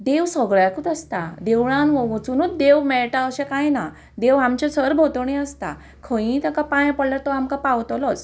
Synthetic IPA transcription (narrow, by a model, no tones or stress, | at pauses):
d̪eʋsɔɡɭjakut̪əst̪ad̪eʋɭãnʋɔɡt͡sunut̪d̪eʋmɛɭʈaəɕẽkãjna | d̪eʋamt͡ɕet͡səɾbʱot̪əɳ̃ĩəst̪a̰ | kʰə̃jĩt̪akapãj̃pəɽlat̪ɔamkapawt̪lɔt͡s